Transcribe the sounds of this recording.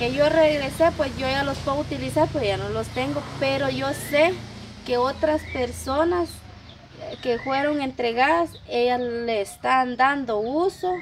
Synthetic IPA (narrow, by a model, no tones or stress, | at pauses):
keʝoreɣɾesepwesjoejalospweðut̪ilisaɾpejanolost̪eŋɡopeɾoʝosekeot̪ɾaspeɾsonas | kefweɾoŋent̪ɾeɣaðas | ejaleːst̪and̪and̪ouso